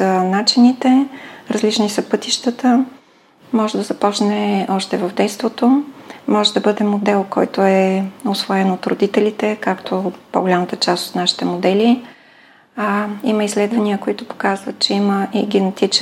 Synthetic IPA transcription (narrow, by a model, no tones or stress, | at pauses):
sənat͡ʃinit̪ɛɾɐzlit͡ʃnisəpɤt̪iʃt̪ət̪ə | mɔʒɛd̪ɐzɐpɔt͡ʃnɛɔʃt̪ɛvəvd̪ɛjst̪vot̪omɔʒɛd̪ɐbɤd̪ɛmod̪ɛlˠkɔ̰jt̪oɛosvoɛnot̪ɾo̰d̪it̪ɛlit̪ɛkakt̪ʰopo̰ɡolʲamət̪ət͡ʃast̪o̥t̪naʃi̥t̪ɛmod̪ɛli | iməislɛd̪vɐniəkoit̪ʊpo̥kazvət̪̚t͡ʃɛiməʔiɡʲɛnɛt̪it͡ʃ